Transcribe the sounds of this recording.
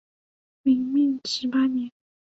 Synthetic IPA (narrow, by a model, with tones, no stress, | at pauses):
mi˧˥ŋmi˥˩nʂɻ̩˧˥pa˥njɛ˧˦n